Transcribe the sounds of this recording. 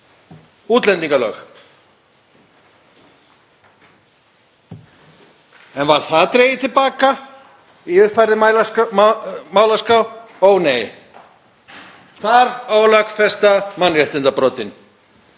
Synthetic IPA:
uːt̪lɛnt̪iŋkalœ̰ːx | ɛnvaɾ̥θat̪ɾeːjɪt̪ʰɪlpaːka | iʏhpfajɾðɪmal | maːwlaskaw | owneːj | θʰaɾawlakfɛst̪amanrɛht̪ɪnt̪apɾɔːt̪ɪn

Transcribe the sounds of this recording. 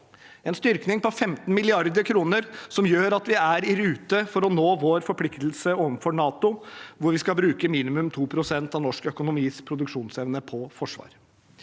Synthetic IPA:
ɛnst̪ʏɾknɪŋpɔfɛmt̪n̩mɪlɪɑɾd̪əkʰɾuːnəɾsɔmjøːɾɑt̪ʋɪæɾɪɾʉːt̪əfɔɾɔnoːʋoɾfɔɾpʰlɪkt̪l̩səoːʋənfɔɳɑːt̪ʊʋʊɾʋɪskɑbɾʉːkəmiːnɪmʉmt̪ʰuːpʰɾʊsɛnt̪ɑʋnɔʂkəœkʊnʊmiːspʰɾʊd̪ʉkʂuːnsɛʋnəpʰɔfɔʂʋɑ̰ːɾ

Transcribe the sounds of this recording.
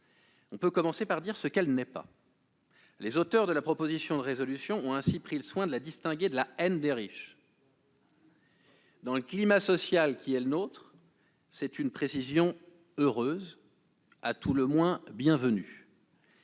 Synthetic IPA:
ɔ̃pøkɔmɑ̃sepaʁd̪iʁsəkɛlnɛpa̰ | lezot̪œʁd̪əlapχɔpozisjɔ̃d̪əʁezɔlysjɔ̃ɔ̃ɛ̃sipχiləswɛ̃d̪əlad̪ist̪ɛ̃ɡʲed̪əlaɛnd̪eʁiʃ | d̪ɑ̃ləklimasɔsjalkʲiɛlənot̪χ | sɛt̪ynpχesizjɔ̃ | øʁøz | at̪uləmwɛ̃bjɛ̃vəny

